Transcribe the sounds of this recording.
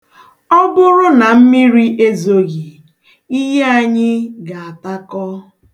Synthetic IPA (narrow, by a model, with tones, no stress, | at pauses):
ɔ˦bʊ˦ɾʊ˦na˨m̩˦mi˦ɾi˦ʔe˦zo˨ɣi˨ | i˦ɦe˦a˨ɲɪ˦ɡa˨a˨ta˦kɔ˦